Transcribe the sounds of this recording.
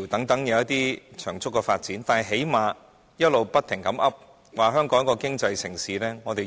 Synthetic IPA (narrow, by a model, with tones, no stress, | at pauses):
wt̪ɐ˨˥ŋt̪ɐ˨˥ŋjɐ˨wɐ˥t̚t̪iː˥t͡ʃʰœː˨˩ŋt͡sʊ˥kːɛː˧faː˧t̚t͡siː˨˥nt̪aː˨nɐ˨˩ɦe˨˥jmaː˨˧ | jɐ˥t̚lo˨wpɐ˥t̪ʰɪ˨˩ŋkɐ˨˥mʔɐ˥p̚ | waː˨ɦœː˥ŋkɔː˨˥ŋkɔː˧kɪ˥ŋt͡sɐ˧jsɪ˨˩ŋsiː˨˥lɛː˥ŋɔː˨˧t̪e˨